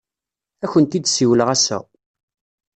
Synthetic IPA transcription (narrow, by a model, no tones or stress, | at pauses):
æçənt̪id̪siwələʁæsæ̰